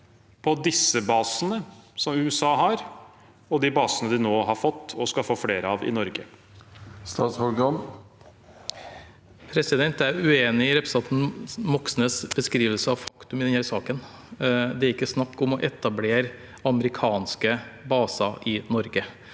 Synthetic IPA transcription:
pʰɔd̪ɪsːəbɑːsənəsɔmʉːɛsɑːɦɑːɾ | ɔd̪ɪbɑːsənəd̪ɪnoːɦɑɾfɔt̪ːɔskɑfoːfleːɾəɑʋɪ̰nɔɾɡə | st̪ɑːshɔlɡɑn | pʰɾɛsɪd̪ɛnt̪æɾʉeːnɪɪɾɛpɾəsɑt̪n̩mɔksnəsbəskɾiːʋəlsəɑʋfɑkt̪ʉmɪd̪ɛnhæːɾsɑːkən | d̪ɛæɾɪkːəsnɑkːʊmɔʔɛt̪ɑbleːɾ | ɑməɾɪkʰɑːnskəbɑːsɑʔɪnɔɾɡə

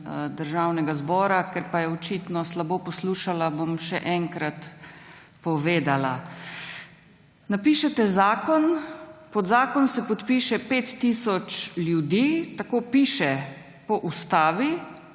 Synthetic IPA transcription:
d̪əɾʒawnɛɡazbɔːɾakɛɾpajɛɔt͡ʃiːt̪nɔslaboːpɔsluʃalabomʃɛʔɛŋkɾat̪ | pɔʋeːd̪ala | napiːʃɛt̪ɛzaːkɔnpɔd̪zaːkɔnsɛpɔt̪piːʃɛpeːt̪ːisɔt͡ʃljud̪iːt̪akoːpiːʃɛ | pɔʔust̪aːʋi

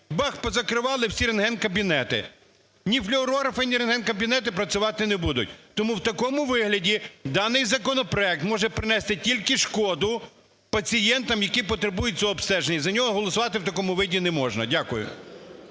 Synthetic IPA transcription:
bɑxpɔzɐkɾɪʋɑlˠɪwsʲiɾenɦɛnkɐbʲinɛt̪ɪ̰ | nʲiflʲɪɔɾɔɾɐfɐnʲiɾenɦɛnkɐbʲinɛt̪ɪpɾɐt͡sʲʊʋɑt̪ɪnɛbud̪ʊ̰t̚ʲt̪ɔmuwt̪ɐkɔmʊʋɪɦlʲɐdʲid̪ɑnɪjzɐkɔnɔpɾɔɛk̚t̪mɔʒɛpɾɪnɛst̪ɪtʲilʲkɪʃkɔd̪ʊ | pɐt͡sʲijɛnt̪ɐmjɐkipɔt̪ɾebujʊt̚ʲt͡sʲɔɔːpst̪ɛʒenʲːɐzɐnʲɔɦɔɦɔlˠɔsʊʋɑt̪ɪwt̪ɐkɔmʊʋɪdʲinɛmɔʒnɐ̰dʲakʊjʊ̰

